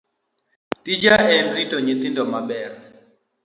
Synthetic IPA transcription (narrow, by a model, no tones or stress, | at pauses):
tid͡ʒaɛnritɔɲit̪indɔmaɓɛr